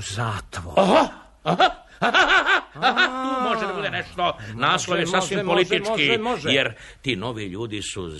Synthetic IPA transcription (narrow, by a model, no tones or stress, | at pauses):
zaːt̪ʋoɦa | ɦa | aaaahat̪uːmo̞ʒed̪abuːd̪eneʂt̪o̞naːsloʋjesaːsʋimpolit̪ikijeɾ | t̪iːno̞ʋiʎuːd̪isṵ